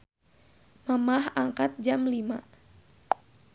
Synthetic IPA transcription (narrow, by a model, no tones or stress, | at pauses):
məmahaŋkat̪̚d͡ʒamlima